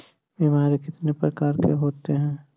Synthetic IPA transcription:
bemaːɾekɪt̪nepɾɐkaːɾkḛɦoːt̪eɦɛ̃ː

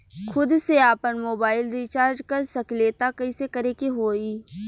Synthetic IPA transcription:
xʰʊd̪seaːpənmoːbaːɪlɾiːt͡ʃaːɾd͡ʒkɐɾsɐkleːt̪akɐisekɐɾekeɦoːiː

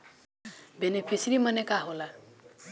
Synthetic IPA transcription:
benepʰisɾimʌnekaɦola

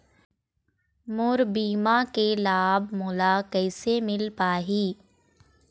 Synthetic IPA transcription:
mʊɾbiːmakelaːbmʊːlakɛːsemɪlpaːɦiː

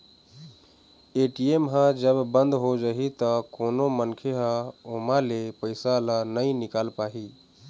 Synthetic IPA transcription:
eːʈiemɦãd͡ʒəbbə̃nd̪ɦod͡ʒaɦit̪əkoːnomənkʰeɦãoːmãlepəɪsalanəĩnɪkaːlpaːɦiː

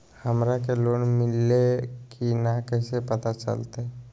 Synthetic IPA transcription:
həmɾak̬eloːnmɪlːekʰinakɛːsepət̪at͡ʃə̰lt̪eɛ

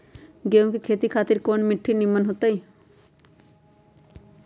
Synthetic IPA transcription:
ɡeõkekʰeːt̪ikʰaːt̪iɾkoːnmɪʈʰːinimːənɦot̪ai

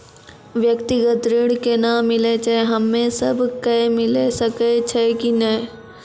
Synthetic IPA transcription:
ʋjəkt̪ɪɡət̪ɾɪɽkenamɪlet͡ʃʰɛɦɐmːẽsɐbʱkɛmɪlesɐket͡ʃʰɛkinɐĩ

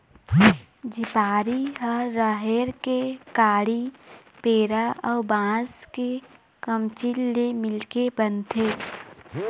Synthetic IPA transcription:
d͡ʒɪpaːɾiɦəːəɦeɾkekaːɽi | peːɾaɔːbãːske | kəmt͡ʃilːemɪlkebənt̪ʰeː

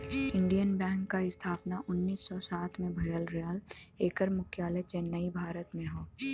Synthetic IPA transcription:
ɪ̃ɳɖijənbɛ̃ːŋkːaɪst̪ʰaːpnaʔʊnːiːsːɔsaːt̪ʰmẽbʱɐjəlɾjaːleːkəɾmʊkʰjaːləjt͡ʃenːɐibʱaːɾət̪mẽɦoː

